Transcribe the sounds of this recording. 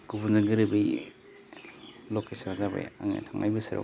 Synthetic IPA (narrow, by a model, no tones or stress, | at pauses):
kubunzaɡɯɾɯbɯj | lɔkesaɾzaba̰jaŋa̰tʰaŋʔa̰jbɯsɯɾa̰